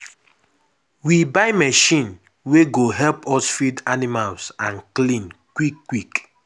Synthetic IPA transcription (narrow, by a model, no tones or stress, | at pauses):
wibaɪmɛʃĩn | weɡoɦɛlpɔsfidanimalsãnklĩnkwikːwik